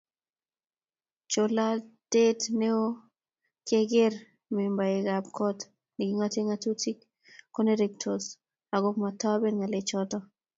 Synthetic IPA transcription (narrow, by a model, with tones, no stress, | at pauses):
t͡ʃo˨la˦d̥e˦tne˦o˦ | ke˦ɡɪ˦r | mi˨mba˨ɪ˨ɡa˨b̚kʰɔ˦t | ni˨ɡi˦ŋa˦tɪ˦ŋatu˦tʰi˦k | kːo˦ne˦ɾek̚tʰo˨s | a˨ɡʊ˦pma˨tɔ˦be˦nŋa˨let͡ʃɔtɔ˦